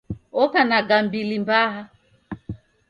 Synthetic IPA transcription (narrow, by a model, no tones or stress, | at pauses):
ɔkanaɡambilimbaɦa